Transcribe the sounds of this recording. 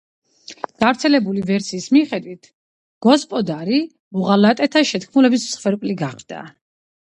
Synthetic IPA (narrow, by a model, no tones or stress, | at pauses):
ɡ̥avɾt̪sʰɛlɛbulivɛɾsiːsmiχɛd̪wit̪ʰ | ɡ̥ɔspʼɔd̪aɾi | muʁalat̪ʼɛt̪ʰaʃɛt̪kʰmulɛbismsχwɛɾpʼliɡaχd̪̥a̰